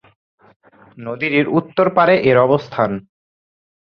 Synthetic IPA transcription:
nod̪iɾiɾut̪ːoɾpaɾeʔeɾɔbost̪ʰan

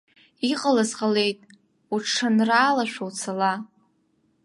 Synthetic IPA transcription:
iqʼalazqale̞jtʼ | uʈ͡ʂʂanraːlaʃʷᶣowt͡sʰala

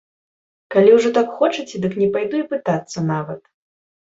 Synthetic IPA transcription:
kalʲiwʐɔt̪akxɔt͡ʂɨt͡sʲd̪ɨknʲɛpajd̪uipɨt̪at̪sːɐnavɐt̪

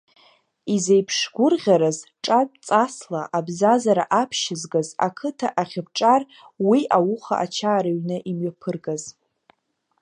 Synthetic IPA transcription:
izejpʰʂɡʷʊrʁʲaɾazʈ͡ʂʼadʼt͡sʼaslaʔabzazaɾaʔapʰʃɪzɡaza̰kʰɨtʰaʔaχʲɪb̚ʈ͡ʂʼar | wiʔawʊχa̰ʔa̰t͡ʃʰaːɾaɥnɨʔimɥapʰɨrɡaz

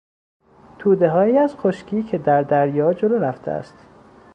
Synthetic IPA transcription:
t̪ʰuːd̪e̞ɦɒːjiːæz̥xoʃcʰiːcʰe̞d̪æɾd̪æɾjɒːd͡ʒoloɾæft̪ʰeæ̰st̪

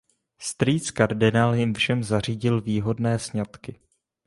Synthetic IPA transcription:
st̪ɾiːt͡skaɾdɪnaːljɪmfʃɛmzar̝iːɟɪlviːɦo̞dnɛːsɲat̪kɪ

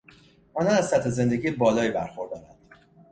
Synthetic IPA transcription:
ʔɒːnɒːnæzsæt̪ʰhe̞ze̞nd̪e̞ɡiːebɒːlɒːiːbæɾxo̞ɾd̪ɒːɾænd̪̥

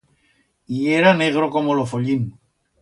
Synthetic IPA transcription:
ieɾaneɣɾokomolofoʎin

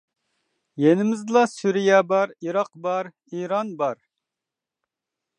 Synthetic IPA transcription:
jenɪmɪzlˠɑsyɾijɛbɑɾiɾɑqbɑɾ | iɾɑnbɑɾ

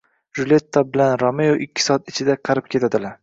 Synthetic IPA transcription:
ɾulʲe̞t̪ʰːabɪlanɾɒmejoʔɪkʲːɪ̥sɒat̪ɪt͡ʃʰɪd̪aqʰɑɾɪp̚kʲʰe̞t̪ʰad̪ɪlaɾ

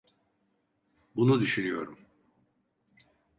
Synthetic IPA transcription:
bunud̪yʃynyjo̞̰ɾum

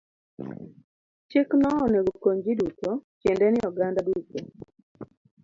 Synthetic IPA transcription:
t͡ʃeknɔɔneɡokoɲd͡ʒidutokjendɛnɪɔɡandaduto

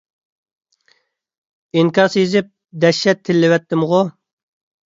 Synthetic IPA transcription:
iŋkʰɑsjizɪp̚ | d̪ɛʃːɛt̪ʰːɪlːɪwɛt̪ːɪmʁʊ

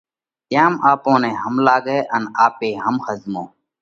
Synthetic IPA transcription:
jaːmaːpõːnẽːɦəmlaːɠeːʔənaːpeːɦəmxəzmõː

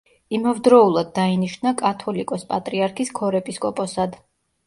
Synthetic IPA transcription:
imavd̪ɾɔulˠad̪̚ːainiʃnakʼat̪ʰɔlikʼɔspʼat̪ʼɾiaɾkʰiskʰɔɾɛpʼiskʼɔpʼɔsad̪

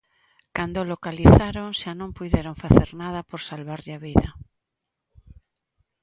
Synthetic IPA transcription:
kand̪olokaliθaɾoŋʃanõŋpujðeɾoŋfaθeɾnað̞ɐpoɾsalβaɾʎaβiðɐ

